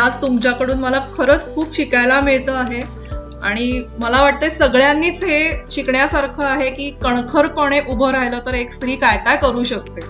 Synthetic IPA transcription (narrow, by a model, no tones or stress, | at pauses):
ad͡zt̪umt͡ɕjakəɽuːnməlakʰəɾəːt͡skʰuːpɕikajlamiɭt̪əaɦe | aɽ̃iməlaʋaʈ̚t̪əsəɡɭjanːiːt͡sɦeɕikɳjasaɾkʰəːaɦekiːkəɳ̃kʰəɾpəɽ̃eʔubʱəɾajlət̪əɾekst̪ɾiːkajkajkəɾuːɕək̚t̪e